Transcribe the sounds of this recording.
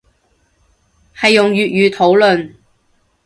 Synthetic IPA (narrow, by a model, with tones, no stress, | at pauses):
hɐ˨jːʊ˨ŋjyː˨t̚jyː˨˧t̪ʰo˨˥wlɵ˨n